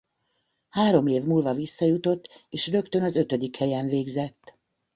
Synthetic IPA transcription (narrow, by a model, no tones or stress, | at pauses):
haːɾo̞meːvmuːlvɒvisːɒjut̪o̞t̪ːeːʃrø̞kt̪ø̞nɒzø̞t̪ø̞d̪ikhɛjɛɱveːɡzɛt̪ː